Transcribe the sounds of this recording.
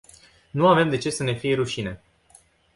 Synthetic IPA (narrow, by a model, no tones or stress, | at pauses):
nuave̞md̪e̞t͡ʃe̞səne̞fije̞ɾuʃine̞